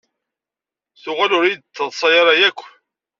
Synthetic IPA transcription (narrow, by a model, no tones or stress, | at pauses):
θʊʁalʊɾid̪t͡sːəðˤsˤɑjɑɾˤɑjækʷː